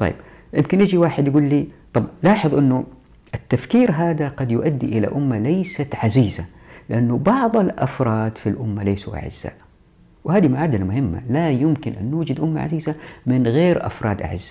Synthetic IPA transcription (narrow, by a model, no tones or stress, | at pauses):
t̪ˤɑ̰jːbjɪmkɪnjɪd͡ʒiwaːħɪd̪jaɡuːlːiːt̪ˤɑbʕlɑːħɨðˤʔɪnːu | ʔɪt̪ːafkiːɾɦaːd̪aɡɑd̪jʊʔad̪ːiʔɪla̰ʔʊmːalajsat̪ʕaziːzalɪʔanːubɑʕðˤalʔɑ̰fɾˤɑːd̪filʔʊmːalajsuʔa̰ʕɪ̰z̥ːa̰ːʔ | whaːd̪imaʕaːd̪almʊhɪmːa̰lajɪmkɪnʔanːuːd͡ʒad̪ʔʊmːa̰ʕa̰ziːzamɪnɣeːɾʔɑ̰fɾˤɑːd̪ʔa̰ʕɪ̰zːa